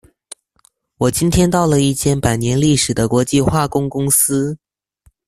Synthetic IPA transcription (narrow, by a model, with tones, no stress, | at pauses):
wɔ˨˩t͡ɕi˥nt̪ʰjɛ˥nt̪ɑ˥˩ʊlə˩i˥˩t͡ɕjɛ˥˩npa˨˩ɪnjɛ˧˥nli˥˩ʂɻ̩˨˩d̪ə˦kwɔ˧˥t͡ɕi˥˧xwa˥˩kʊ˥ŋkʊ˥ŋsɹ̩˥